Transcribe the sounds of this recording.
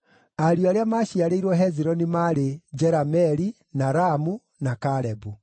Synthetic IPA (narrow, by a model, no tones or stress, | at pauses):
aɾioaɾeamaːɕiaɾeiɾwɔɦɛziɾɔnimaɾed͡ʒɛɾamɛɾi | naɾamu | nakaɾɛbu